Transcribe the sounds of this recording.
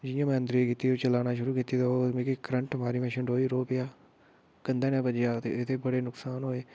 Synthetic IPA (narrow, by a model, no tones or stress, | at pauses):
d͡ʒɪjãːmɛ̃ːənd̪ɾikiːt̪iːot͡ʃəlaːnaːʃʊɾuːkiːt̪iːt̪eoːmekikɾəɳʈəmaːɾiːmɛ̃ːʃɪɳɖoːiːɾoːpɪjaː | kənd̪ɛːnɛ̃ːpəd͡ʒjaːt̪ḛɪt̪ʰeːbəɽeːnʊksaːnɦoːeː